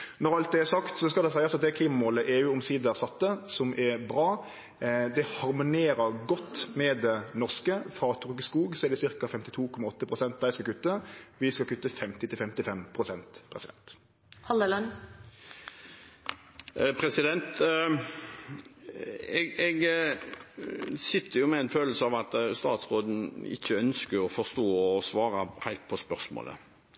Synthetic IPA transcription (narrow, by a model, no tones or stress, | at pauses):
nɔɾɑlt̪̚d̪ɛæɾsɑkt̪sɔskɑld̪ɛsæɪɑsɑt̪̚d̪ɛkʰliːmɑmoːləʔeːʉːɔmsiːd̪əɾsɑt̪ːəsɔmʔɛɾbɾɑː | d̪ɛhɑɾmʊneːɾəɾɡɔt̪ːmɛd̪ɛnɔʁskəfɾɑːt̪ʰʊʁkskuːɡsɔɛɾd̪ɛsɪʁkɑfɛmt̪ɪ̥t̪ʰuːkʰɔmɑɔt̪ːəpʰʁʊsɛnt̪̚d̪æɪskɑkʉt̪ːəʋɪskɑlkʉt̪ːəfɛmt̪ɪt̪ɪlfɛmt̪ɪfɛmpʰɾʊsɛnt̪pʰɾɛsɪd̪ɛ̰nt̪ | hɑlələn | pʰɾɛsɪd̪ɛnt̪ | ɛɡɛɡ | sɪt̪ʰːəjʊmɛɛnføːll̩səɑʋɑt̪st̪ɑːt̪sʁoːd̪n̩ɪ̰çːəœnskəɔfɔst̪oːɔsʋɑːɾɑhæɪlt̪̚pʰɔspœʁsmo̰ːlə̰